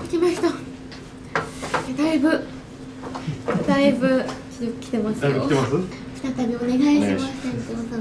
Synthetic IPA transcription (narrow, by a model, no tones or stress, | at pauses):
kʲikʲimaɕi̥t̪o | d̪aibɯ̟ | d̪̥aibɯ̟t͡ɕʲokʲi̥t̪e̞masɨ̥eas | kʲi̥t̪at̪abʲio̞ne̞ɡaiɕmast̪at̪eosa